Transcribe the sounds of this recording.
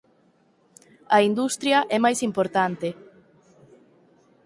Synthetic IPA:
ɐind̪ust̪ɾjɐʔɛmajsimpoɾt̪ant̪e

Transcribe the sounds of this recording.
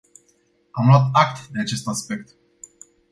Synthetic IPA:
amlwat̪ak̚t̪d̪e̞at͡ʃe̞st̪aspe̞k̚t̪

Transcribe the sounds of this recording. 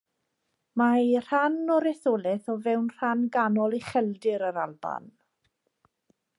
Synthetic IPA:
majr̥anɔɾɛθoːlɛθɔvɛwnr̥anɡanɔlˠiχɛlˠdɪɾəɾalˠba̰n

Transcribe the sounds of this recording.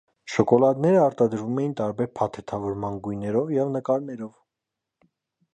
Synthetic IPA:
ʃɔkɔlɑd̪nɛɾəɑɾt̪ɑd̪əɾvumɛjint̪ɑɾbɛɾpʰɑt̪ʰɛt̪ʰɑvɔɾmɑnɡujnɛɾɔvjɛvnəkɑɾnɛɾɔv

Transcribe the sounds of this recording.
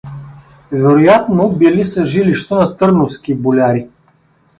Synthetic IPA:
vɛɾojat̪nobilisəʒiliʃt̪ənɐt̪ɤɾnofskibolʲaɾi

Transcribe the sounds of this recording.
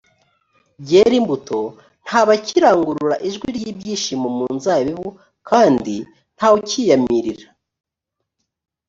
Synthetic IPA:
bɟe̞ɾimbuto̞ | n̥haːβaciɾaːŋɡuɾuɾaʔiʒɡwiɾjiːbɟiːʃimomuːnzaːβiβu | kʰaːndi | n̥haːwucijamiɾiɾḁ

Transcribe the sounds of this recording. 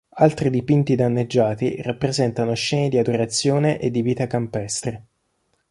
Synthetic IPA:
alt̪ɾid̪ipint̪id̪anːed͡ʒːaːt̪irapːɾezɛnt̪anoʃɛːned̪iad̪oɾat̪sːjoːneʔed̪ːiviːt̪akampɛst̪ɾe

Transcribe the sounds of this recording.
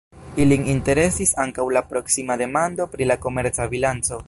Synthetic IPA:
ilininte̞ɾe̞sisaŋkawlapɾo̞ksimade̞mando̞pɾilako̞me̞ɾt͡sabilant͡so̞

